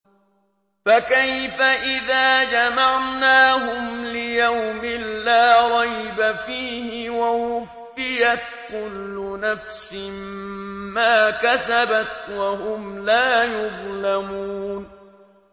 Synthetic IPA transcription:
fakajfaʔɪðaːd͡ʒamaʕnaːɦʊmlɪjawmɪlːaːɾˤɑjbafiːhɪwawʊfːɪjat̪̚kʊlːʊnafsɪmmaːkasabat̪wahʊmlaːjʊðˤlamuːn

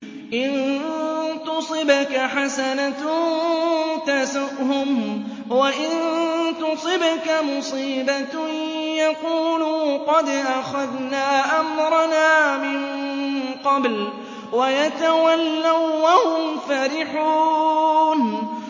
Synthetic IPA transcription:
ʔɪn | t̪ʊsˤɨbakaħasanat̪ | t̪asaʔhʊm | waʔɪnt̪ʊsˤɪbakamʊsˤiːba | jaquːluqɑd̪ʔaxaðnaːʔamɾˤɑnaːmɪn | qɑbl | wajat̪awalːawwahʊmfaɾɪħuː | n

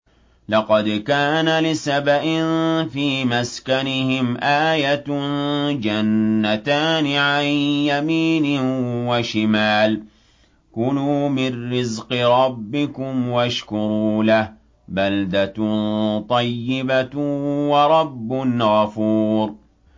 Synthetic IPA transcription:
lɑqɑd̪kaːnalɪsabaʔɪnfiːmaskanɪhɪmʔaːjat̪ | d͡ʒanːat̪aːnɪʕanjamiːnɪwaʃɪmaːl | kʊluːmɪnːɪzqɨɾˤɑbːɪkʊmwaʃkʊɾˤuːlah | bald̪at̪t̪ˤɑjːɪbawɑɾˤɑbːʊnɣafuːɾ

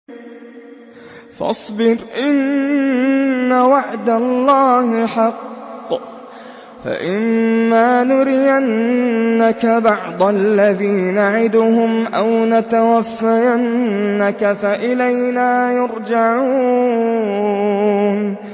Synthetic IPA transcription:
fɑ̰sˤbɪɾʔɪn | awaʕd̪alˤːɑːhɪħɑqː | fa̰ʔɪmːaːnʊɾɪjanː | akabɑʕd̪ˤalːaðiːnaʕɪd̪ʊhʊmʔawnat̪awafːajanːakafaʔɪlajnaːjɑɾd͡ʒaʕuː | n

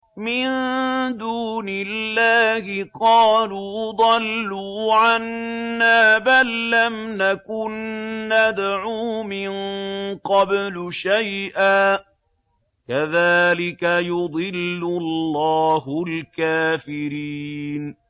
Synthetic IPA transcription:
mɪnd̪uːnɪlːaːhɪqɑːluːd̪ˤɑlːuːʕanːaːbalːamnakʊnːad̪ʕuːmɪnqɑblʊʃajʔaː | kaðaːlɪkajʊd̪ˤɨlːʊllːaːhʊlkaːfɪɾiːn

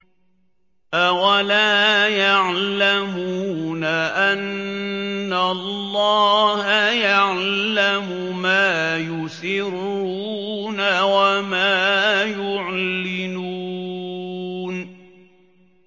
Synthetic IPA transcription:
ʔawalaːjaʕlamuuːnaʔanː | alˤːɑːhajaʕlamʊ | maːjʊsɪɾ | uː | nawamaːjʊʕlɪnuː | n

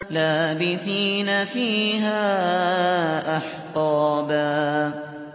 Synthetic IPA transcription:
laːbɪθiːnafiːɦaː | ʔaħqɑːbaː

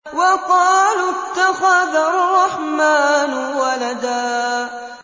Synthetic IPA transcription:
wɑqɑːlt̪ːaxaðrˤːɑħmaːnwalad̪aː

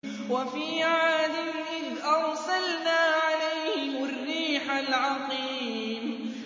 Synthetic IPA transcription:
wafiːʕaːd̪ɪmʔɪðʔɑɾˤsalnaːʕalajhɪmʊrːiːħalʕɑqiː | m

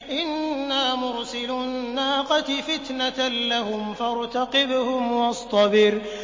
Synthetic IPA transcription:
ʔɪnːaːmʊɾsɪlʊnːaːqɑt̪fɪt̪naalahʊmfɑɾˤt̪ɑqɪbhʊmwɑsˤt̪ˤɑbɪɾ

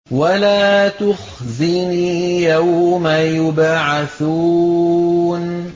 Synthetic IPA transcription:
walaːt̪ʊxzɪniːjawmajʊbaʕaθuː | n

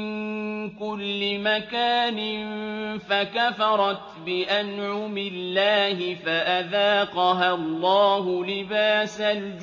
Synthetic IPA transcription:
ŋkʊlːɪmakaːnɪnfakafɑɾˤɑt̪bɪʔanʕʊmɪlːaːhɪfaʔaðaːqɑɦalˤːɑːɦʊlɪbaːsald͡ʒ

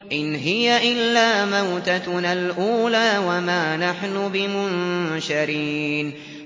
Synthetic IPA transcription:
ʔɪnɦɪjaʔɪlːaːmawt̪analʔuːlaːwamaːnaħnʊbɪmʊnʃaɾiːn

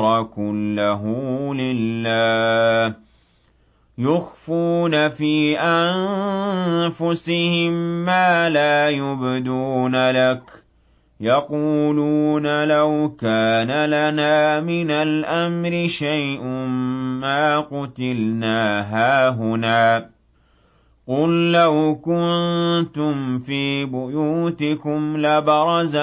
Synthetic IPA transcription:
ɾˤɑkʊlːaɦʊlɪlːaː | jʊxfuːnafiːʔan | fʊsɪhɪmːaːlaːjʊbd̪uːnalak | jɑquːluːnalawkaːnalanaːmɪnalʔamɾɪʃajʔʊː | aːqʊt̪ɪlnaːɦaːɦʊnaː | qʊlːawkʊnt̪ʊmfiːbʊjuːt̪ɪkʊmlabɑɾˤɑza

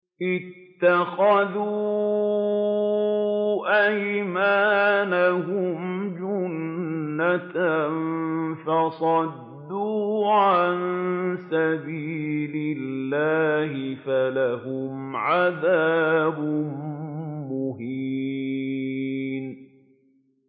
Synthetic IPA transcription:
ʔɪt̪ːaxaðuː | ʔajmaːnaɦʊmd͡ʒʊnːat̪nfɑsˤɑd̪ːuːʕʕansabiːlɪlːaːhɪfalahʊmʕaðaːbʊ | mʊhi | n

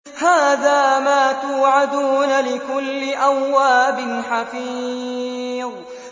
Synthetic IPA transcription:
haːðaːmaːt̪uːʕad̪uːnalɪkʊlːɪʔawːaːbɪnħafi | ðˤ

